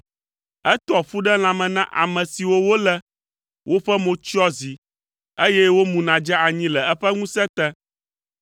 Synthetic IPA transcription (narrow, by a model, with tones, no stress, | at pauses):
ɛ˦t̪ɔ˨fu˦ɖɛ˦l̃ã˨mɛ̃˨nã̰˦ʔa̰˨mɛ̃˨si˨wo˦wo˦lɛ˦ | wʔo˦ɸɛ˦mõ˦t͡ʃɔ˦zi˨ | e˦jɛ˦wo˦mũ˨nã˨d͡ʒɛ˦a˨ɲĩ˦lɛ˨ɛ˦ɸɛ˦ŋũ˦sɛ˦t̪ɛ̃˦